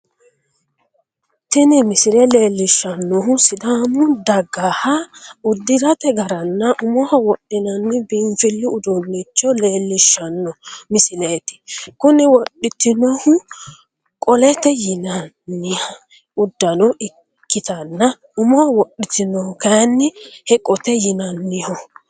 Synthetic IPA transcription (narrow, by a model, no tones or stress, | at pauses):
t̪ɪnɪmɪsɪlɛle̞ːlːɪʃːɐnːɔɦʊsɪd̪amʊd̪ɐɡːaːhɐʊd̪ːɪɾɐt̪ɛɡɐɾɐnːɐʔʊmɔhɔwɔɗɪnɐnːɪbɪɱfɪlːɪʊd̪ʊnːɪt͡ʃːɔle̞ːlːɪʃːɐnːɔmɪsɪleːt̪ɪ̥kʊnɪwɔɗɪt̪ɪnɔhʊ | kʼɔlɛt̪ɛjɪnɐː | ɪɐ | ʊd̪ːɐnɔʔɪ | kːɪt̪ɐnːɐ | ʊmɔhɔwɔɗɪt̪ɪnɔʊkɐnːɪhɛkʼɔt̪ɛjɪnɐnːɪhɔ